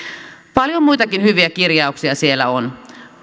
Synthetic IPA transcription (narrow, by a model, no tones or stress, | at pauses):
pɑljo̞mːuit̪ɑkinhyʋiækirjɑuksiɑsie̞lːæ̰on